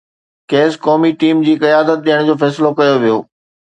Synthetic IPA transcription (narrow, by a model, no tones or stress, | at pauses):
keːskɔːmiʈiːmd͡ʑiːkɐjaːd̪ət̪̚ɗijəɽ̃d͡ʑoːfɛːsɪlokɐjoʋijoː